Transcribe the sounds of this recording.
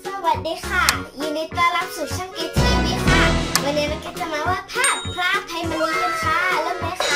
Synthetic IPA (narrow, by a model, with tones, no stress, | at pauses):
sa˧wa˨˩t̪̚diː˨˧˥kʰa˧˩juː˨˩na˧˦jt̪ɾa˧la˧˩p̚su˨˩k̚t͡ɕʰaː˧˥˩ŋʔi˧˥t͡ɕʰa˧˨˩niː˧˥kʰaː˧˩wa˧nːiː˦˥˦ɾa˧˩ki˧˥˩t̚t͡ɕa˧˩maː˧waː˥˩p̪ʰaː˥˩pʰɾa˦˧ʔp̪ʰːa˧jma˧nmiː˧ka˧˩nkʰaː˦˥ʔa˧lɛː˧˥˨ma˧˦kʰa˧˩